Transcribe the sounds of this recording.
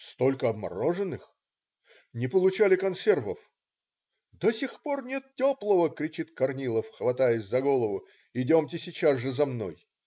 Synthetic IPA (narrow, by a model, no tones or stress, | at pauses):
st̪o̞lʲkəɐbmɐ̰ɾoʐɨnːɨx | nʲɪpəlˠʊt͡ɕalʲɪkɐnsʲe̞rvəf | d̪osʲɪxpornʲe̞t̪̚tʲoplˠəvəkɾʲɪt͡ɕit̪kɐrnʲilˠəfxvɐt̪ajəsʲzɐɡo̞lˠəvʊ | ɪdʲomtʲɪsʲɪt͡ɕazʐɨzɐmno̞̰j